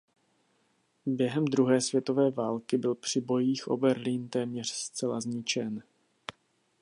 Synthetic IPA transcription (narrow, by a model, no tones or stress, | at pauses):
bjɛɦɛmd̪ɾuɦɛːsvjɛt̪o̞vɛːvaːlkɪbɪlpr̝̥ɪbo̞jiːxʔo̞̰bɛɾliːnt̪ɛːmɲɛr̝̥st͡sɛlazɲɪt͡ʃɛn